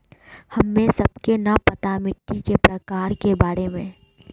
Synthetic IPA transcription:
hɐmːẽsɐbkenɐpɐt̪amɪʈːikepɾɐkaːɾkebaːɾemẽ

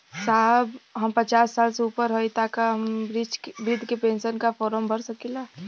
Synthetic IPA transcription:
saːɦbɦəmpət͡ʃaːsːaːlseupəɾɦoit̪aːkaɦəmɾid͡ʒbɾɪd̪ʱkepẽːnsənkafɔːɾəmbʱəɾsəkilaː

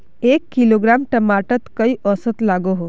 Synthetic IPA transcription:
eːkːiloːɡɾaːmʈəmaːʈət̪kəiʔɔsət̪laːɡoɦo

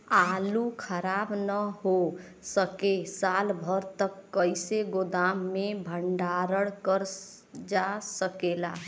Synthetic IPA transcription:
alukʰəɾabnəɦo | səkesalbʱəɾt̪əkːəɪseɡod̪amːebʱəɳɖaɾəɽkəɾ | d͡ʒasəkela

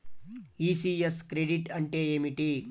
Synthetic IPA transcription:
iːsieskɾeɖiʈɐɳʈeːeːmiʈi

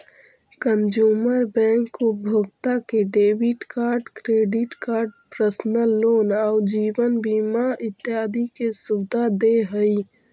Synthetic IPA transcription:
kənd͡ʒuːməɾbɛ̃ːŋkːobʱʊɡt̪akeɖeːwɪʈkaːɾɖkɾeːɖɪʈkaːɾɖpɾəsnəlːoːnaʊd͡ʒiːwənbiːmaɪt̪ːɪɦaːd̪ikesʊbd̪ad̪eɦəi

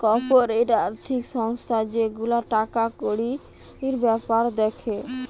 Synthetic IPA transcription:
kɔpoɾeʈaaɾt̪ʰikʃɔŋst̪ʰad͡ʑeɡulaʈakakoɽi | iɾbɛpaɾd̪ekʰe

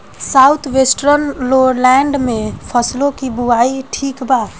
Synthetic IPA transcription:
saut̪ʰʋesʈɾənloɾlɛɳɖmẽpʰəslõkibuaiʈʰiːkbaː

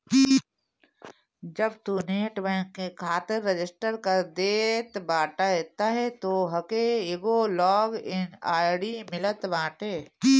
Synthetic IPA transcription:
d͡ʒəbt̪uːneːʈʋẽkekʰaːt̪ɪɾːed͡ʒɪsʈəɾkɐɾd̪eːt̪baːʈaet̪aɦɛt̪oːɦɐkeeɡolɔːɡɪnaːɽimɪlət̪bãːʈeː

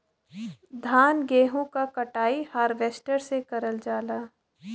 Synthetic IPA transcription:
d̪ʱaːnɡeːɦõkakɐʈaːihaːɾʋeːsʈəɾsekɐɾəld͡ʒaːlaː

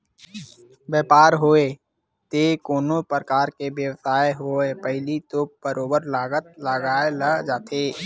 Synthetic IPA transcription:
bjɛːpaːɾɦoːe | t̪ekoːnopɾəkaːɾkebjəwsaːeɦoepəɦɪlit̪ob̥əɾoːbəɾlaːɡət̪̚ləɡaːelad͡ʒaːt̪ʰeː

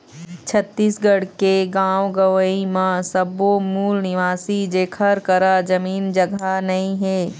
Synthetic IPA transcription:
t͡ʃʰət̪ːiːsɡɐɽkeɡãːwɡɐʋəimãsɐbomuːlnɪʋaːsid͡ʒeːkʰəɾkɐɾad͡ʒɐmiːnd͡ʒɐɡanɐɦĩɦɛː

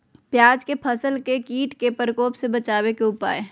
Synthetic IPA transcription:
pjaːd͡ʒkepʰəsəlkekiːʈkepəɾkoːpsebɐt͡ʃaːwekeʊpa̰ːe

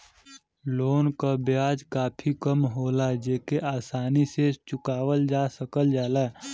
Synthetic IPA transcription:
loːnkabjaːd͡ʒkaːpʰikəmɦoːlad͡ʒeːkeʔaːsaːniset͡ʃʊkaːwəld͡ʒaːsəkəld͡ʒaːlaɛ

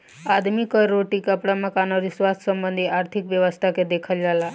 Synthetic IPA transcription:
ad̪mikəɾːoʈiːkəpɽaməkanaɾiːsʋassəmbənd̪ʱiʔaɾt̪ʰikʋjəʋəst̪ʰaked̪ekʰəld͡zala

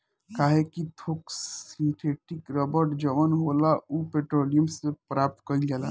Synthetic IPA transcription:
kaːɦekit̪ʰoːkssĩɳʈʰeʈikɾəbəɾʈd͡ʒəmənɦolaupeʈɾoːlijəmsepɾaːp̚t̪̚kəid͡ʒala̰

